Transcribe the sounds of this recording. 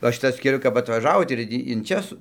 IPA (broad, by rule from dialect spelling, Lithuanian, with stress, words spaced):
ˈʋɐ ˈʃʲɪtɐs kʲɛˈlʲʊ kɐp ɐtʋɐˈʒɑːʋoːt ɪr ˈtʲiː ɪn ˈt͡ʃʲɛ sʊ